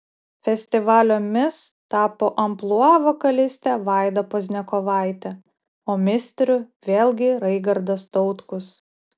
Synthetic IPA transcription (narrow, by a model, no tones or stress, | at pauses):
fʲɛsʲt̪ʲɪʋɑːlʲoːmʲɪst̪ɑːpoːʔɐmplˠuɑːʋoːkɐlʲɪsʲt̪ʲæʋɑˑɪd̪ɐpoːzʲnʲɛkoʋɑˑɪt̪ʲɛ | oːmʲɪsʲt̪ʲɾʲʊʋʲeːlʲˠɡʲɪɾɐɪɡɐɾd̪oːst̪ɔʊt̪kʊs